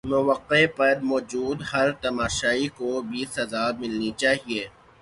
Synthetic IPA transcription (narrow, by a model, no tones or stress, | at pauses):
mʊʋəqːepɐɾmɔːd͡ʒuːd̪hɐɾt̪ɐmaːʃaːikobʱisɐzaːmɪlnit͡ʃaːɦieː